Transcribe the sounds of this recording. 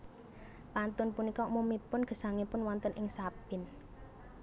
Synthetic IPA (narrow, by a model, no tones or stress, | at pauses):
pant̪ʊnpunikɔmumipʊnɡ̥ə̤saŋipʊnwɔnt̪ənʔɪŋsab̥ɪn